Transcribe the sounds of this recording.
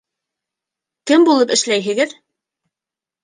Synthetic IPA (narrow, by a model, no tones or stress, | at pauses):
kɘmbulˠɤpɘ̆ʃlæjɦɘ̆ɡɘð